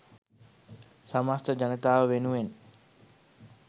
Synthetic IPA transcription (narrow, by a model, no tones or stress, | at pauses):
samast̪əd͡ʒanət̪aːʋəʋenuʋen